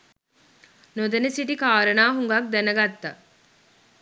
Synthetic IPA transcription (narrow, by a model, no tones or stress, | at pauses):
nod̪ɐnesiʈikaːɾɐnaːɦuŋɡɐk̚d̪ænɐɡat̪ːa̰